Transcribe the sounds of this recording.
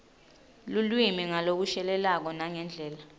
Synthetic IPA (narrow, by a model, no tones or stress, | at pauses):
lulwimiŋalok̬uʃɛlɛlak̬ɔnaŋɛnd͡ɮʱɛːla